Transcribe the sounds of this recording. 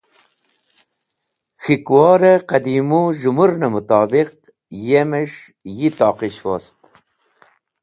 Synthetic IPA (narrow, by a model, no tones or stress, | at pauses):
xikwɑːɾeqad̪imuʒumuɾnɐmut̪ɑːbiq̚ | jemeʂ | jit̪ɑːqiɕwost̪